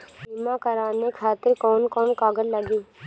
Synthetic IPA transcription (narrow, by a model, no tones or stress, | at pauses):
siːmãkəɾaːnekʰaːt̪ɪɾkɔːnkɔːnkaːɡəllːəɡiː